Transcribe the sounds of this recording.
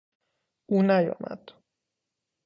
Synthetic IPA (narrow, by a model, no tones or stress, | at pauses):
ʔuːnæjɒ̰ːmæ̰d̪̥